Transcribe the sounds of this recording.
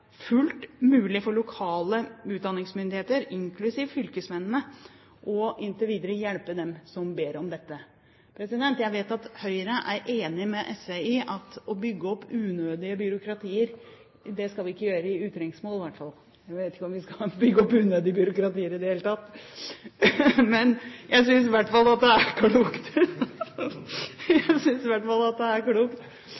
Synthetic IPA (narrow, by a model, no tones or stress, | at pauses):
fʉlt̪mʉːlɪfɔɭʊkʰɑːləʉːt̪̚d̪ɑnːɪŋsmʏnd̪ɪheːt̪əɾɪŋkʰlʉsiːʋfʏlkəsmɛnn̩ə | ʔɔɪnt̪əʋiːd̪əɾəjɛlpəd̪ɛmsɔmbeːɾɔmd̪ɛt̪ːə | pʰɾɛsɪd̪ɛnt̪jæɪʋeːt̪ɑt̪hœʏɾəʔæɾʔeːnɪmɛʔɛsʋeɪʔɑt̪ɔbʏɡːəɔpːʉːnøːd̪ɪəbʏɾʊkɾɑt̪ʰiːəɾ | d̪ɛskɑlʋɪɪkːəjøːɾəɪʉːt̪ɾɪŋsmoːlʋæʈːfɑlˠ | jæɪʋeːt̪ɪ̥kːəɔmʋɪskɑbʏɡːəɔpːʉːnøːd̪ɪəbjʏɾʊkɾɑt̪iːəɾɪd̪əheːlət̪ʰɑt̪ː | mɛnjʔæɪsʏns̬ɪʋæʈːfɑlːɑt̪̚d̪ɛæɾkʰluːkt̪ | jæɪsʏnsɪʋæʈːfɑlːɑt̪̚d̪ɛæɾkluːkt̪